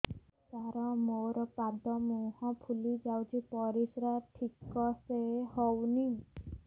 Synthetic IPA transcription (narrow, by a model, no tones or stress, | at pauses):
saɾɔmoɾɔpad̪ɔmuhɔ̃pʰulid͡ʒawt͡ʃʰipɔɾisɾaʈʰikɔsehɔwni